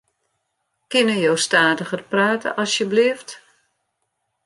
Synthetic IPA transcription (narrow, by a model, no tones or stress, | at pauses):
kɪnəjowstaːtəχərpraːtə̰ʔɔsjəbliəft